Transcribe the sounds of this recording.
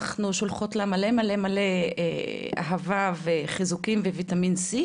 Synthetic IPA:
χnuʃolχotlamalemale̞male | a̰ɦavaveχizukimvevitaminsi

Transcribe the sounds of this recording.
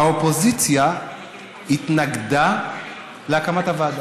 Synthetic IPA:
aopozit͡sja | it̪naɡda | leakamat̪avad̪

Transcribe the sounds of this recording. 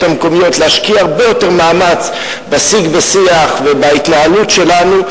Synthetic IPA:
thameko̞mijo̞tleaʃkiaaʁbejo̞te̞ʁmaːmat͡s | basiɡbesiaχvebait̪naalutʃe̞lanu

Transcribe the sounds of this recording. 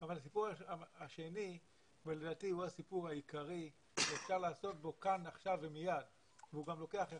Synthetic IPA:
avalas̬ipuʁaaaʃe̞ni | vele̞daːtihuasipuʁhaikaʁi | ʃeefʃaʁlaːso̞t̚bo̞kanaχʃavːemijad | veuɡamlo̞ke̞aχe

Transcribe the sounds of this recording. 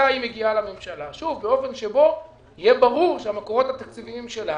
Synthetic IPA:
aimeɡialamemʃalaʃuvbeo̞fe̞nʃe̞bo̞ | ijebaʁuʁʃeamakoʁo̞t̪hat̪ak̚t͡siviimʃe̞la

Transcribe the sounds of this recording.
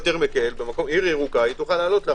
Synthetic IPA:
t̪eʁmekeelbe̞mako̞miʁiʁukait̪uχalaːlo̞t̪la

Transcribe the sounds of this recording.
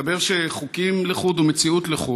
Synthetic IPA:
abeʁʃeχukimleχud̪umet͡siut̪leχu

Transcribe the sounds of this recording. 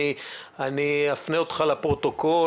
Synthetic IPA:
i | aniafneot̪χalapʁot̪o̞ko

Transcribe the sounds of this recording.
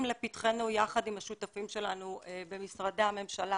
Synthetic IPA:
mlepitχenujaχadimhaʃutafimʃe̞lanuebe̞misʁadeame̞mʃala

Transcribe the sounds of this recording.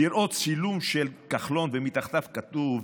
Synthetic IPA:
iɾʔot͡silumʃelkaχlo̞nvemit̪aχt̪afkat̪uv

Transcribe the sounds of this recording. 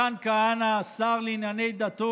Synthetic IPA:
aːnkaanasaːɣlinanejd̪at̪o

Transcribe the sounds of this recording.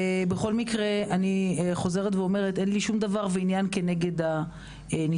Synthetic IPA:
be̞χo̞lmikʁe̞aniχo̞ze̞ʁetveome̞ʁete̞nliʃumd̪avaʁveinjanke̞ne̞ɡe̞da | ni

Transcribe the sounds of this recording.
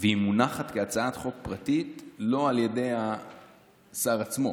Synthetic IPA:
vehimunaχatkeat͡saat̪χo̞k̚pʁatitlo̞alje̞de̞ja | saʁat͡smo̞

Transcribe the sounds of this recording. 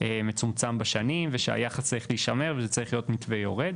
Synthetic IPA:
emet͡sumt͡sambaʃanimveʃea̰jaχast͡saʁiχliːʃameʁvezet͡saʁiχlijotmitvejoʁed̪

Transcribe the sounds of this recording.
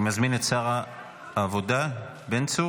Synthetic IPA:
mazminetsaʁa | avod̪a | bent͡su

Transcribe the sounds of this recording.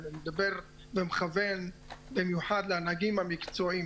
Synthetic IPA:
vemed̪abeʁ | vemeχave̞nbimjuħad̪leanaɡimamikt͡soim

